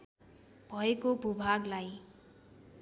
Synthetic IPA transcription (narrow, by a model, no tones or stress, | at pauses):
b̥ʱʌekobʱubʱaɡlaj